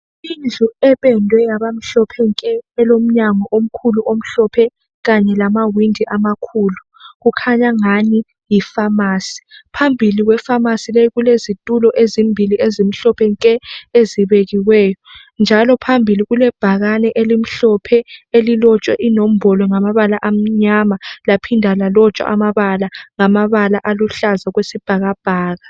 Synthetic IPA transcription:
ind͡ɮʱuɛβɛndʱwɛjaβam̩ɬɔpʰɛŋkʼɛɛlom̩ɲaŋɔʔom̩kʰuluʔom̩ɬɔpʰɛ | ɣaɲɛlamawindʱiʔamakʰuːlu | ɣukʰaɲaŋani | jifamaːsi̥pʰambʱiliɣwɛfamasilɛjɣulezitʼulɔʔezimbʱiliezim̩ɬɔpʰɛŋkʼɛeziβeɣiwɛːjɔ | nd͡ʒʱalɔpʰambʱiliɣulɛb̥ʱaɣanɛʔelim̩ɬɔpʰɛelilɔt͡ʃʼwɛʔinom̩bɔlɔŋamaβalaʔam̩ɲamalapʰindʱalalɔt͡ʃʼwa̰ʔamaβalaŋamaβalaʔaluɬazaɣwesib̥ʱaɣab̥ʱaːɣa

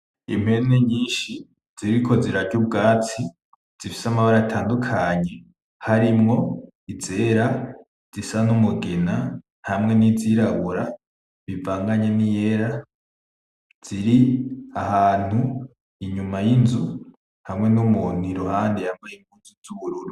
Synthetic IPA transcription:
ḭm̥he̞neɲiːʃi | z̥iɾikʰo̞ziɾaɾɟub̚ɡaːt͡si | z̥ifi̥samaβaɾaatʰaːndukʰaɲe̞ | haɾimŋo̞ | ize̞ːɾa | z̥isanumuɡe̞na | hamŋe̞niziɾaβuɾa | βivaːŋɡaɲenije̞ɾa | z̥iɾiahaːn̥hu | iɲumajinzu | hamŋe̞numun̥iɾuhaːndihamŋejiŋɡuːnzizuβuɾuɾu

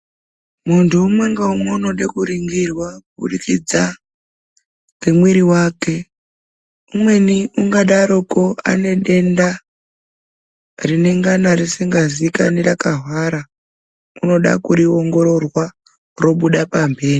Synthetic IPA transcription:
muntʰuːmaŋɡaumounoɗakuɾiŋɡirwabʱṵɗikid͡za | kwemwiɾiwaːke̞ | umwe̞niuŋɡaɗaɾo̞koa̰ne̞ɗe̞nda | rine̞ŋɡanaɾisiŋɡazikanerakaɦwaɾa | uno̞ɗa̰kuɾio̞ŋɡo̞ɾo̞rwa | ro̞ɓuɗapambe̞ːri

